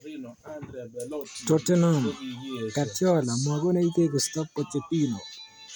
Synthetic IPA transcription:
to˨te˦nɔ˦˨mka˨tjɔ˦˨la˨mɔ˨ɡɔ˦na˦i˦t̪e˦kɔ˨stɔ˦p̚kɔ˨t͡ʃe˨pi˦no̰˨

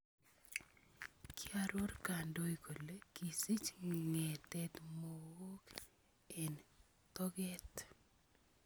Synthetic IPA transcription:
ki˦aɾo˦rka˨ndo˦ikʰo˨le˦ki˨si˦t͡ʃŋɛ˨t̪ɛt̪mo˨wo˦k | ɛ˨n | t̪ɔ˦ɡɛ˦t

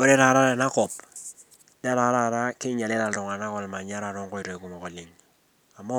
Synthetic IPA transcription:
o˦ɾe˦ɾa˨ɾa˦ɾa˨na˦kɔ˨p̚ | da˦ɾa˨˦ɾa˦˨ɾa˦kɪ˦ɲa˨le˦la˨lɔ˨ŋa˨na˦kɔ˨lma˨ɲa˦ɾa˨ɾɔ˦ŋko˦i˨ɾo˨i˨ku˨mɔ˨kɔ˨li˨ŋ | a˨mɔ˦

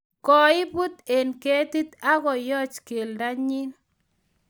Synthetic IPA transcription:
kɔ˨ɪ˦bu˦t̪e˨nke˦t̪i˦t̪a˦ɣɔ˨jɔ˦t͡ʃke˨lda˦ɲɪ˦n

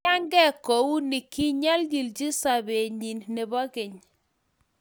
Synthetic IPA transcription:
a˦ŋɡɛ˦˨ko˨u˦ni˨ki˦ɲa˦lɡi˨ld͡ʒi˦sa˨be˨ɲi˨nne˨bɔ˦kɪ˨ɲ

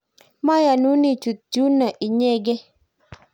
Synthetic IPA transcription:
ma˦ja˨nu˨˦ni˦t͡ʃu˨d͡ʒu˦na˨ʔi˨ɲɛ˦ɡɛ˦

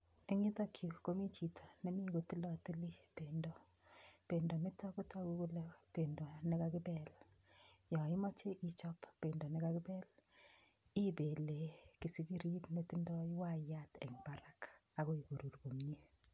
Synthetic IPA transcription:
e˦ŋɪ˦ta˦kʰju˨ko˦mi˦t͡ʃi˨tʰḁ˨ne˦mi˦ko˨ti˦lɔ˦˨ti˦li˦pe˨ndɔ˨ | pe˨ndɔ˨mɪ˦tɔ˦ku˦tɔ˦ku˦ku˦le˦pe˨ndɔ˨ne˦kakɪ˦bɛ˦l | jɔ˨ɪ˦mɔ˦t͡ʃe˦ʔi˦t͡ʃɔ˦pːe˨ndɔ˨nɪ˨ka˦kɪ˦bɛ˦l | i˦be˨le˨ki˨si˦ki˦ɾi˦tne˦ti˦ndɔ˦i˦wa˦ja˦tɛ̰˨ŋba˦ɾa˦ka˨ko˦i˨ko˨ɾu˨rko˨mɲe˦

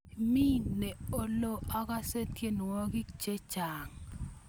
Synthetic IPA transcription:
mi˦ne˨o˨lo˦ʔa˦ka˦se˦tje˦n˨wɔ˦ɡɪ˦kt͡ʃe˦t͡ʃa˨ŋ

